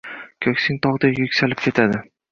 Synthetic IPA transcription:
kʲʰɵkʲsɪŋʲt̪ʰɒʁd̪ajɵkʲsalɪp̚kʲʰe̞t̪ʰad̪ɪ

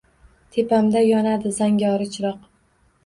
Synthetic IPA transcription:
t̪ʰepamd̪ajɒnad̪ɪzaŋɡʲɒɾɪt͡ʃʰɾɒq

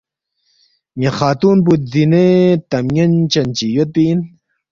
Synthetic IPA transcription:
meχaːt̪uːnp̬ut̪̚zinet̪ɐmjɐnt͡ɕɐnt͡ɕijot̪̚pin

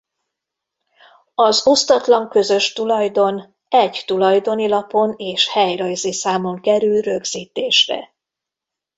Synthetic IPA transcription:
ɒzo̞st̪ɒt̪lɒŋkø̞zø̞ʃt̪ulɒjd̪o̞n | ɛɟt̪ulɒjd̪o̞nilɒpo̞neːʃhɛjrɒjzeːsaːmo̞ŋkɛɾylrø̞ɡz̥iːt̪eːʃrɛ̰

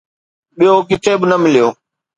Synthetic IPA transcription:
ɓijoːkɪt̪ʰeːbɪnəmɪlijoː

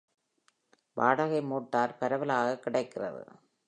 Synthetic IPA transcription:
ʋaːɽaɣɐɪmoːʈːaːɾpɐɾɐʋɐlaːɣɐkːɪɽɐɪkːɪrɐ̰ðɯ̰

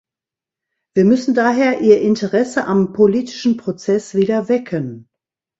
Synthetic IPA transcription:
v̥iːɐmʏsn̩daːɦeːɐʔiːɐʔɪntəʁɛsəʔampʰoliːtɪ̥ʃn̩pʁ̥ot͡sɛsv̥iːdɐvɛkʰən

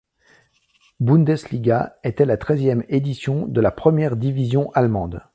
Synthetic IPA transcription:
bũnd̪ɛsliɡʲaɛt̪ɛlat̪χɛzjɛmed̪isjɔ̃d̪əlapχəmjɛʁd̪ivizjɔ̃ʔalmɑ̃d̪

